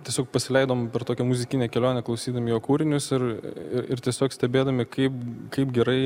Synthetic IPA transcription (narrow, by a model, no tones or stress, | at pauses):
t̪ʲiɛsʲoːkpɐsʲɪlʲɛɪd̪oːmpʲɛɾt̪oːkʲɛmʊzʲɪkʲɪnʲɛkʲɛlʲoːnʲɛklˠɐʊsʲiːd̪ɐmʲɪjoːkuːɾʲɪnʲʊsɪɾɪɾɪɾt̪ʲiɛsʲoːksʲt̪ʲɛbʲeːd̪ɐmʲɪkɐɪp̚kɐɪpɡʲɛɾɐɪ